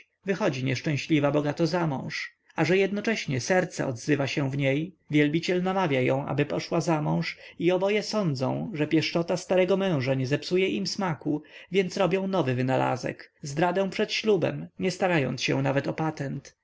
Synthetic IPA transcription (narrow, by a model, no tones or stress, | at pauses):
vɘxɔd͡ʑiɲɛʂt͡ʂɛ̃ɕlʲivabɔɡat̪ɔzamɔ̰̃w̃ʂ | aʐɛjɛd̪nɔt͡ʂɛɕɲɛsɛɾt̪sɛ̰ɔd̪zɘvaɕɛ̃vɲej | vʲjɛlbʲit͡ɕɛlnamavʲjajɔ̰̃w̃ʔa̰bɘpɔʂwazamɔ̃w̃ʂiɔbɔjɛsɔnd̪zɔ̰̃w̃ʐɛpʲjɛʂt͡ʂɔt̪ast̪aɾɛɡɔmɛ̃w̃ʐaɲɛzɛpsujɛʔimsmakuvʲjɛnt̪sɾɔbʲjɔ̃w̃nɔvɘvɘnala̰zɛ̰kzd̪ɾad̪ɛ̃w̃pʂɛt̪ɕlubɛ̰mɲɛst̪aɾajɔ̰nt̪sɕɛ̰̃navɛt̪ɔpat̪ɛnt̪